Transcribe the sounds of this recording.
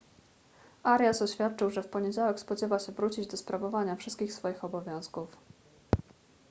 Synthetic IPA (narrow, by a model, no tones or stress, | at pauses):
ʔaɾʲjasɔɕfʲjat̪̚t͡ʂɘwʐɛfpɔɲed͡ʑawɛkspɔd͡ʑɛvaɕɛvɾut͡ɕid͡ʑd̪ɔspɾavɔvaɲafʂɘst̪̚kʲixsfɔjixɔbɔvʲjɔ̃w̃skuf